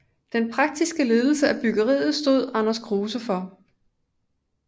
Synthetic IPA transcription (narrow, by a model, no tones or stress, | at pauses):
d̥enpʰʁɑ̈ɡ̥̚d̥isɡ̥əle̝ːðˠl̩səæb̥yɡ̥ɐʁḭːð̩ˠsd̥o̝ð̞̰ˠɑ̈nɐsɡ̥ʁoːsəfɒ̽